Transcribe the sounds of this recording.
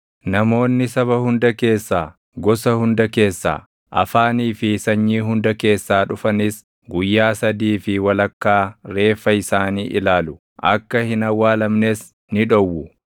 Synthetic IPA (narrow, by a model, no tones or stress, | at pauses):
nɐmo̞ːnːɪsɐβɐhʊnd̪ɐke̞ːsːaː | ɡɔsɐhʊnd̪ɐke̞ːsːa̰ː | ʔɐ̰faːniːfɪsɐɲːiːɦʊnd̪ɐke̞ːsːaːᶑʊfɐnɪs | ɡʊjːaːsɐd̪iːfɪwɐlɐkːaːɾe̞ːfːɐɪsaːniːʔɪlaːlʊ | ʔɐ̰kːɐhɪnɐwːaːlɐmneːs | nɪᶑɔwːʊ